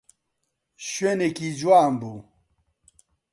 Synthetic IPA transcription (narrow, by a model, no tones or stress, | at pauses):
ɕwenekid͡ʑwaːmbu